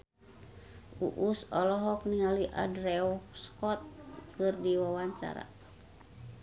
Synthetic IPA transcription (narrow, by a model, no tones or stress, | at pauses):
ṵʔusɔlɔɦɔk̚niŋaliʔa̰drɛɔskɔt̪̚kɨrdiwawaɲt͡ʃa̰ɾa̰